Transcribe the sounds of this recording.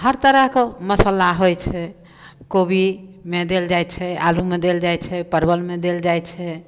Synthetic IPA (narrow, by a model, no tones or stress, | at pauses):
həɾt̪əɾəɦkɔməsəlaɦojt͡ʃʰɛ | kobimed̪eld͡ʒajt͡ʃʰɛalumed̪eld͡ʒajt͡ʃʰɛpəɾbəlmed̪eld͡ʒajt͡ʃʰɛ